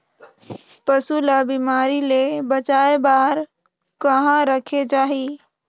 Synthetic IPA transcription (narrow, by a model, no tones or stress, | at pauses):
pəsulabimaɾilebət͡ʃaebaɾ | kəɦãɾəkʰed͡ʒaɦi